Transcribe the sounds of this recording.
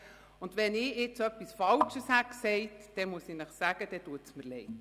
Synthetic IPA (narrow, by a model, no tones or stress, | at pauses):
ʊndʋɛnɪɪt͡sœpːisfɑlt͡ʃəshæksɛɪtd̥ɛmuəsinəχsæɡ̥əd̥ɛtuətsməɾlɛɪt